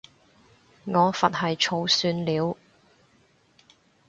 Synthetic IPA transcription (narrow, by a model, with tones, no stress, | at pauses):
ŋɔː˨˧fɐ˨t̚hɐ˨jt͡ʃʰo˨˧wsyː˧nliː˨˧w